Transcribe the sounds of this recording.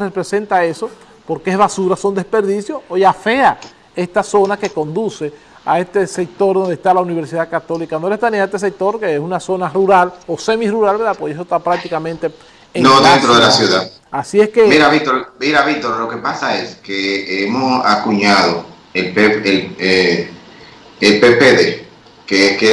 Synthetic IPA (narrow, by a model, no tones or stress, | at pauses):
repɾesent̪ae̞so̞ | po̞ɾkeezβasuɾasond̪e̞spe̞ɾðisjooʝafe̞a | e̞st̪aso̞nake̞ko̞nd̪use̞ | ae̞st̪e̞se̞k̚t̪o̞ɾðo̞nd̪est̪alauniβeɾsiðakat̪o̞likandoest̪anĩaet̪es̬ek̚t̪o̞ɾkeesunaso̞naruɾalo̞se̞miruɾalβeɾðapwoses̬ost̪apɾak̚t̪ikamẽnt̪e | ẽnoðent̪ɾoðelasjuða | asie̞skemiɾaβik̚t̪oɾmiɾaβik̚t̪o̞ɾlo̞ke̞pasaeskeemosakuɲaðo | elpeele | elpepeðe | keke